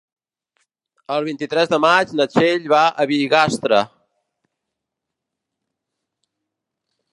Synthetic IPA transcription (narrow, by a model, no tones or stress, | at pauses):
əlˠβint̪it̪ɾɛzðəmat͡ʃnət͡ʃeʎβaʔəβiɣast̪ɾə̰